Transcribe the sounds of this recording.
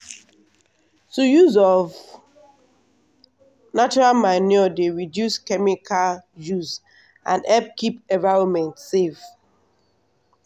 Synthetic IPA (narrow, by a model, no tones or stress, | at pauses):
tojuzɔv | nat͡ʃɔɹalmaɪnɔdeɹidjuskɛmikʰaljuz | ʔã̰ndɛb̚kʰipɛ̃vaɹɔmɛ̃ntsef